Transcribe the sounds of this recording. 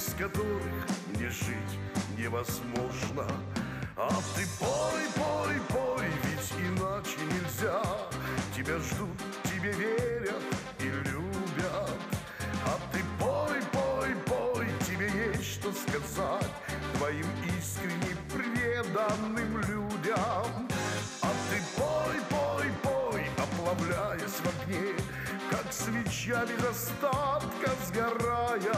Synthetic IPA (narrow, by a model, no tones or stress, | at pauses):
skɐt̪oɾɨx | nʲɪʐɨtʲ | nʲɪvɐzmo̞ʐnə | ɐt̪ɨpoipopojvʲɪtʲɪnat͡ɕɪnʲɪlʲzʲa | tʲɪbʲaʐd̪ut̪ | tʲːɪbʲevʲeɾʲɐt̪ | ilʲubʲɐt̪ | ɐt̪ɨpopopojtʲɪbʲejesʲʂt̪oskɐzatʲt̪vɐimiskɾʲɪnʲːɪjpɾʲrʲed̪ɐnːɨmlʲudʲam | ɐt̪ɨpojpojpojɐplˠɐvlʲajɪsʲvɐvnʲe | kaksvʲɪt͡ɕjabʲɪzɐst̪at̪kɐzɡɐrajɐ